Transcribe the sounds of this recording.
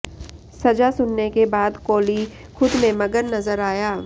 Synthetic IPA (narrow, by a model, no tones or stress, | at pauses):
sɐd͡ʒasʊnːekebaːd̪koːli | xʊd̪mẽmɐɡənnɐzəɾaːjaː